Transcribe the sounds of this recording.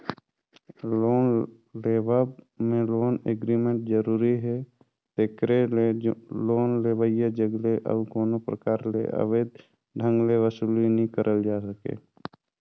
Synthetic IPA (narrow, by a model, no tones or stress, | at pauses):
oːn | leːbab | mẽloːneɡɾimẽɳʈzəɾuːɾiɦɛ | t̪ekɾeeloːnleːʋəjad͡ʒəɡleʔə̰bkoːnopɾə̰kaːɾlḛʔə̰ʋeːd̪̚ | ɖʱə̃ŋɡleʋəsulinəɦĩkəɾʔəld͡ʒaːsəkḛː